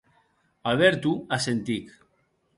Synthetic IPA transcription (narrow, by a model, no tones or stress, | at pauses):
aβeɾt̪uasent̪ik